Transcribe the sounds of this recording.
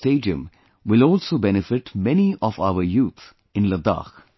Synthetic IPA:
teːɖiə̰̃m | wɪlɔːlsoːbɛnɪfɪʈmɛniʔɔfaʊəɾjuːt̪ʰ | ɪ̃nləd̪a̰ːx

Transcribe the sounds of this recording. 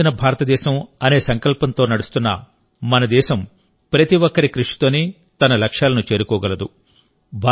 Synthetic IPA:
inɐbʱaːɾɐt̪ɐd̪ɛːʃɐmɐne̞ːsɐŋkɐlpɐnt̪o̞ːnɐɽust̪unːɐ̰ | mɐnɐd̪ɛːʃɐm | pɾɐt̪iʋɔkːɐɾikɾuʂi̥t̪o̞ːniː | t̪ɐnɐlɐkʂjaːlɐnut͡ʃe̞ːɾukɔːɡɐlɐd̪u | bʱaː

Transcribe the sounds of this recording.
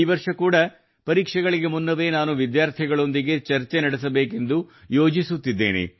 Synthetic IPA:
iːʋɐɾʂɐkuːɽɐ | pɐɾiːkʂɛɡɐɭiɡe̞munːɐʋe̞ːnaːnuʋid̪jaːɾt̪ʰiɡɐɭo̞nd̪iɡe̞t͡ʃɐɾt͡ʃenɐɽesɐbe̞ːke̞nd̪ujo̞ːd͡ʒisut̪ːid̪ːḛːnḛ

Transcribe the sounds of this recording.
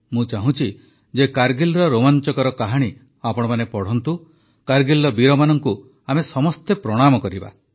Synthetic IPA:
mũt͡ʃaɦũt͡ʃʰi | d͡ʒekaɾɡilɾɔɾomant͡ʃɔkɔɾɔkaɦaɽ̃i | apɔɽ̃ɔmanepɔɽ̤ɔnt̪u | kaɾɡilːɔbiɾɔmanɔŋku | amesɔmɔst̪epɾɔɽ̃amɔkɔɾiba̰

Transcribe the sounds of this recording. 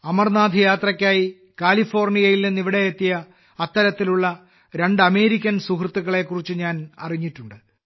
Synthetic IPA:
ɐmɐrnaːd̪ʱijaːt̪rɐkʲːaːji | kaːlifo̞ːrnijɐjilninːiʋiɽe̞jet̪ːijɐː | t̪ːɐɾɐt̪ːiluɭːɐ | ɾe̞ɳɖɐme̞ːɾikʲːɐnsukrɨt̪ːuɣɐɭe̞kːurit͡ɕːɨɲaːnɐ̰riɲːiʈːuɳɖɨ

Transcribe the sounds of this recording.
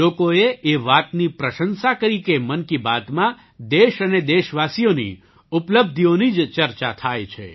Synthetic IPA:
okoeeʋat̪nipɾəʃənsakəɾikemənkibad̪mã | d̪eʃəned̪eʃʋasijonḭ | upləb̚d̪ʱijonid͡ʒt͡ʃəɾt͡ʃat̪ʰajt͡ʃʰḛ

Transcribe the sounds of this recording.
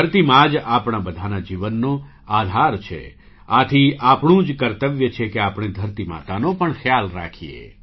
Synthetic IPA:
ɾt̪imãd͡ʒapɳ̃abəd̪ʱanad͡ʒiʋənːo | ad̪ʱaɾt͡ʃʰḛ | at̪ʰiʔapɳũd͡ʒkəɾt̪əʋjət͡ʃʰekeapɳ̃ed̪ʱəɾt̪ima̰t̪anopəɳxʰjalɾa̰kʰiḛ

